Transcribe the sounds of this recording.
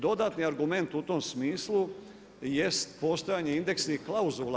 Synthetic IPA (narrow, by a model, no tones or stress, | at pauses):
d̪o̞d̪aːt̪niaɾɡume̞nt̪ut̪o̞msmiːslu | je̞st̪po̞ːst̪o̞jaːɲe̞ind̪e̞kseiklauzulˠ